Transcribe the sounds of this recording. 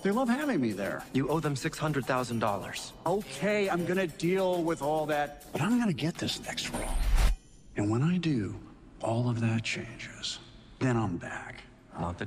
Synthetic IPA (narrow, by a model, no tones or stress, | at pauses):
ð̥eɪlʌv̥hævɪ̃ŋmiðə̰˞jɨʔoʊðə̃msɪkshʌ̃ndɹəd̪̚θaʊzə̃ndɔlˠə̰˞z̥oʊkʰeɪãɪ̃mɡʌñɨdilˠwɪðɔlˠðæt̚b̥ʌɾãɪ̃mɡʌnɨɡɛt̪̚ðɪsnɛkst̚ɹõ̰ | ɨ̃nwə̃naɪdɨ | ʔɔlˠʌvðɨt̚t͡ʃʰḛ̃ɪ̃nd͡ʒɪz̥ | ðɨ̃ñãɪ̃mbæk | nə̰t̪̚ɨ